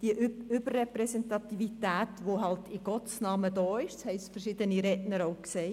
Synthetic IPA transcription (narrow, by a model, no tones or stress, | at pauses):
d̥iəʔʏb̥ərːɛpɾɛsɛntɑt̪ivit̪æːtʋoɦɑltʰɪɡ̥ɔtsnɑːməd̥ɔːɪʃd̥shɛɪsfəɾʃɪd̥̪əniɾɛnəɾoʊkseː